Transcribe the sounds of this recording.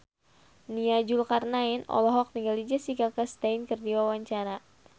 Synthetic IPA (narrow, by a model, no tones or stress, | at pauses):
niad͡ʒulkarnainɔ̰lɔɦɔk̚niŋɡalid͡ʒasikakast̪aɪnkərdiwawaɲt͡ʃaɾa